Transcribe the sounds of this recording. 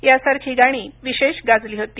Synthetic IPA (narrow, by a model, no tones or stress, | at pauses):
jasaɾkʰiːɡaɽ̃iːʋiɕeɕɡad͡zliːɦot̪iː